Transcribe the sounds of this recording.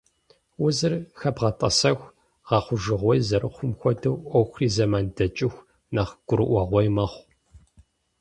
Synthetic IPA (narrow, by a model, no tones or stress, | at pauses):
wʊzɨrxɐbʁɐtʼɐ̰sɐxʷ | ʁɑχʷʊʒɨʁʷɔjzɐɾɨχʷʊmxʷɔdɐwʔʷɔwxʷriːzɐmaːndɐt͡ʃʼɪxʷ | nɐχɡ̥ʷʊɾɨ̰ʔʷɐʁʷɔjmɐχʷ